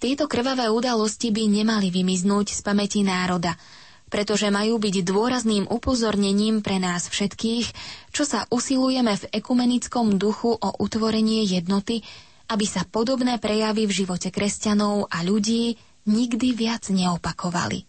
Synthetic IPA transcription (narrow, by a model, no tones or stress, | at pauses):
t̪ɪɛt̪ɔkr̩ʋaʋɛːud̪alɔscibiɲɛmaliʋimiznuːcspamɛcinaːɾɔd̪a | pɾɛt̪ɔʒɛmajuːbiɟd̪ʊɔɾazniːmʔupɔzɔɾɲɛɲiːmpɾɛnaːsfʃɛt̪kiːxt͡ʃɔsaʔusilujɛmɛvɛkumɛnit͡skɔmd̪uxuʔɔʔut̪ʋɔɾɛɲɪɛjɛd̪nɔt̪i | abisapɔd̪ɔbnɛːpɾɛjaʋivʒiʋɔcɛkɾɛscanɔʊʔaʎuɟiː | ɲiɡd̪iʋɪad͡zɲɛɔpakʰɔʋa̰lḭ